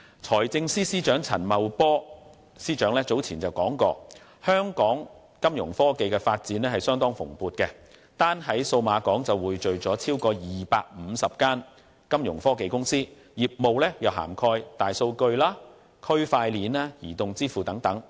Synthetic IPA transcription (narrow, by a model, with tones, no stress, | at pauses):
t͡sʰɔː˨˩jt͡sɪ˧ŋsiː˥siː˥t͡ʃœː˨˥ŋt͡sʰɐ̰˨˩nmɐ˨wpɔː˥ | siː˥t͡ʃœː˨˥ŋlɛː˥t͡so˨˥wt͡sʰiː˨˩nt͡sɐ˨wkɔː˨˥ŋkɔː˧ | hœː˥ŋkɔː˨˥ŋ | kɐ˥mjʊ̰˨˩ŋfɔː˥ke˨jkɛ˧faː˧t̚t͡siː˨˥nlɛː˥hɐ˨jsœː˥ŋt̪ɔː˥ŋfʊ̰˨˩ŋpuː˨t̚kɛ˧ | t̪aː˥nɦɐ˨˥jso˧wmaː˨˧kɔː˨˥ŋt͡sɐ˨wuː˨jt͡ʃɵ˨ɥt͡sɔː˨˥t͡sʰiː˥wkɔː˧jiː˨˩paː˧k̚m̩ː˨˧sɐ˨p̚kaː˥n | kɐ˥mjʊ̰˨˩ŋfɔː˥ke˨jkʊ˥ŋsiː˥ | jiː˨p̚mo˨wlɛː˥jɐ˨wɦa̰ː˨˩mkʰɔː˧jt̪aː˨jso˧wkɵ˧ɥlaː˥ | kʰɵ˥ɥfaː˧jliː˨˥naː˥jiː˨˩t̪ʊ˨ŋt͡siː˥fuː˨˩t̪ɐ˨˥ŋt̪ɐ˨˥ŋ